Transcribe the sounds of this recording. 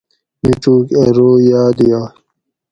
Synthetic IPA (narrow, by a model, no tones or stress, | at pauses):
miʈ͡ʂuːkɐɾoːjaːd̪ijaː